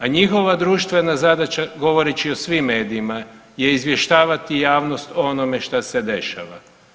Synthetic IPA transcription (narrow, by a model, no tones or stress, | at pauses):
aɲixo̞ʋad̪ɾuːʃt̪ʋe̞nazad̪at͡ʃaɡo̞ʋo̞ɾet͡ɕiosʋimːe̞ːd̪iima | je̞izʋje̞ʃt̪aːʋat̪ijaːʋno̞st̪onome̞ʃt̪ase̞d̪e̞ʃa̰ʋa